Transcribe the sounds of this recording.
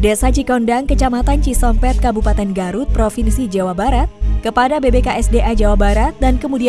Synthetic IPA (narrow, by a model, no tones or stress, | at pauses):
desat͡ʃikɔndaŋkət͡ʃamat̪ant͡ʃisɔmpɛt̪̚kabupat̪ɛnɡaɾut̪̚pɾofinsid͡ʒawabaɾat̪̚kəpadabebekaʔɛsdeʔad͡ʒawabaɾat̪̚dankəmudi